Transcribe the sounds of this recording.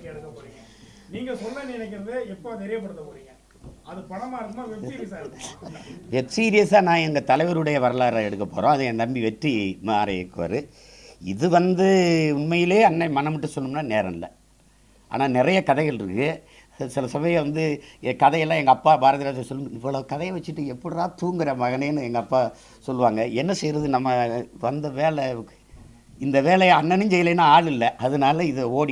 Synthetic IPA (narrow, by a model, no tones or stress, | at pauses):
kɛɽɯk̪ːɐpːoːɽiŋɡɐ | niːŋɡɐsɔnːɐnɪnɛk̬ːɪɾɐðɯɛpːoɐt̪ɛɾɪjɐpːɐɽɯt̪ːɐpːoːɽiŋɡɐ | ɐðɯpɐɳɐmaːɾɐmãːʋɛiːɾɪjɐsaːɪɾɯk | ʋɛsiːɾɪjɐsaːnãːɛŋɡɐt̪ɐlɐɪʋɐɾɯɽɐjɐʋɐɾɐlaːɾɐɛɽɯkːɐpːo̰ːɾõːɐðɯɛnt̪ɐmbiʋɛʈrimaːɾɐɐkːɯʋɐ̰ɾɯ | ɪðɯʋɐnd̪ɯʊnmɐjɪleːɐnːɐɪmɐnɐmɪʈːɯsɔlːɯmnaːneːɾɐmɪlːɐ̰ | ʔa̰ːnaːnɪrɐjɐkɐðɛɪɣɐɭɾɯkːɯ | sɪlɐsɐbɐjɐʋɐnd̪ɯkɐðɐjɛlːãːɛŋɡɐːpːaːbaːɾɐðɪɾaːt̪ːɐsɔlːɯmɪʋːɐɭɐʋɯkɐðɐjɐʋɐt͡ʃːɯʈːɯɛpːɐɽɪðãːt̪uːŋɡɪɾɐmɐɣɐnenːɯɛŋɡɐɐpːaː | sɔlːɯʋaːŋɡɐɛnːɐsɛjɾɐðɯnɐmːɐʋɐnd̪ɐʋeːɭɛ | ɪnd̪ɐʋeːlɐjɐnːɐnɯɲd͡ʒɛjːɪlɐnːaːaːɭɪlːɐɐðɯnaːlɐɪðɯoːɽi